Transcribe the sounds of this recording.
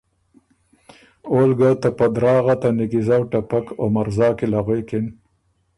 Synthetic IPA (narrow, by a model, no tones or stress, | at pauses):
olɡat̪apad̪ɾɑːɣat̪anɪkizawʈapako̰maɾzɑːkilaɣwekɪn